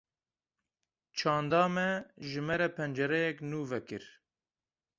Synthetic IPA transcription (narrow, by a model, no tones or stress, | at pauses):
t͡ʃʰɑːnd̪ɑːmɛʒɨmɛɾɛpʰɛnd͡ʒɛɾɛjɛknuːvɛkɨɾ